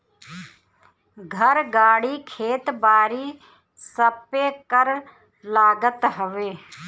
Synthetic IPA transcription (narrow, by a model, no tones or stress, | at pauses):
ɡʱəɾɡaːɽiːkʰeːt̪baːɾiː | səpekəɾ | laːɡət̪ɦəʋeː